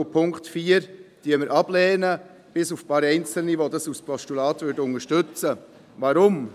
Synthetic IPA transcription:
upʰʊŋktfiːəɾd̥iəməɾʔɑb̥lɛːnə | b̥ɪsufpɑːɾɛɪnt͡sl̩niʋodɑsuspʰɔʃtulɑːtʋʏɾdʊnəʃtʏt͡sə | ʋɑɾʊm

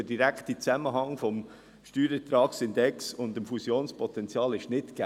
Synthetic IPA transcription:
ədiɾæktit͡sæməɦɑŋfɔm | ʃtyːɾətɾɑːksɪndɛksʊndəmfusjoːnspʰɔt̪ɛnt͡sjɑːlɪʃnɪtɡ̥æ

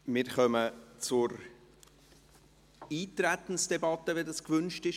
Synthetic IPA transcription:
mɪɾχœmət͡sʊɾ | iːtɾæt̪ən̩sd̥ɛbɑt̪əveːdɑskvʏnʃtɪʃ

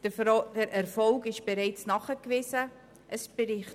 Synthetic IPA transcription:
d̥əd̥əɾʔɛɾfɔlɡɪʃb̥eɾɛɪt͡snɑχəkvɪzə | ʔəsb̥eɾɪ

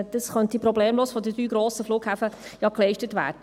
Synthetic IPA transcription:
d̥ɑsχœnt̪ipɾɔbleːmloːsfɔdədɾyːɡɾoːsəfluːkhæfəjɑklɛɪʃtətʋæ̰ːɾd̥ə

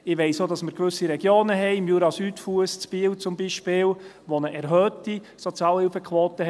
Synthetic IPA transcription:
ɪʋɛɪsoːdɑsməɾkʋɵsiɾɛɡ̥joːnəɦɛɪɪmjuɾɑsyːtfuəst͡sb̥iːəwt͡sʊmbiʃpɪːl | ʋonəʔɛɾɦœːti | sɔt͡sjɑːlhɪlfəkʰʋoːtəhɛ

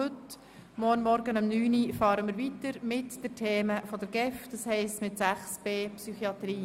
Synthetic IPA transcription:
ɵt | mɔɾnmɔɾɡənɑmnyːnifɑːɾəmɪːɾʋit̪əɾmɪtd̥ɛtʰeːməfɔd̥̪əɾɡ̥ɛfd̥̪ɑshɛɪstmɪt̪sæχsb̥eːpsyχiɑt̪ɾiː

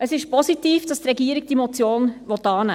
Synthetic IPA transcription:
əsɪʃpɔsitiːfd̥ɑst̪ɾɛɡiəɾɪɡ̥̚d̥imɔt͡sjoːnʋɔt̪ɑːnæ̰ː

